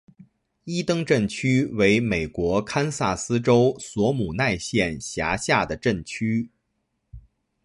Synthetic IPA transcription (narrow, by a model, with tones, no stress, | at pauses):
i˥t̪ɤ˥ŋʈ͡ʂə˥˩nt͡ɕʰy˥we˧˥ɪme˨˩ɪkwɔ˧˥kʰa˥nsa˥˩sɹ̩˥ʈ͡ʂo˥ʊswɔ˧˥mu˨˩na˥˧ɪɕjɛ˥˩nɕja˧˥ɕja˥˩d̪ə˩ʈ͡ʂə˥˩nt͡ɕʰy˥